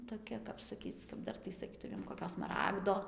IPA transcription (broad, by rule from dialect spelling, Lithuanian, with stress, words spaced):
toːˈkʲɛ kɐp sɐˈkʲiːt͡s kɐp ˈdɐr tɐɪ sɐˈkʲiːtʊmʲeːm koːˈkʲoː smɐˈrɑːɡdoː